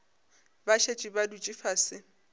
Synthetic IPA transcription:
baʃet͡ʃʼibadut͡ʃʼifasɪ

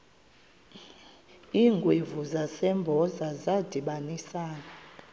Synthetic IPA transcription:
iːŋɡʱwevuzasɛmbʱɔzazad̥ʱiɓanisaːna

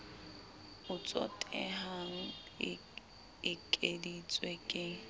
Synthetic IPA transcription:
ʊt͡sʼɔ̰tʼɛɦaŋ̩ | ɪkʼedit͡sʼwɛkʼɪ

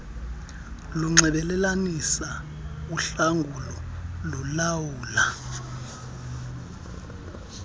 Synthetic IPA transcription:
luŋ͡ǀɛɓɛlɛlanisa | uɬaŋɡʱulɔlulawuːla

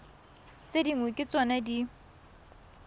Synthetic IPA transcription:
t͡sʼediŋwekʼɪt͡sʼɔnadi

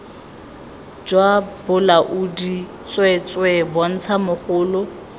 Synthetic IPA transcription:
d͡ʒwabʊlaʔudi | t͡sʼwɛt͡sʼwɛbɔn̩t͡sʰamʊχʊːlʊ

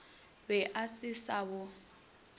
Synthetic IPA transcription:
bɛʔasɪsabʊ

